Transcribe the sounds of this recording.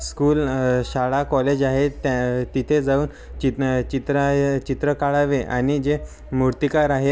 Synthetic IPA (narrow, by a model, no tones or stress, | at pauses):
skuːlɕaɭakɔled͡ʑaɦet̪at̪it̪ʰed͡zauːn | t͡ɕit͡ɕit̪ɾat͡ɕit̪ɾəkaɭaʋeʔañid͡ʑe | muɾt̪ikaɾaɦe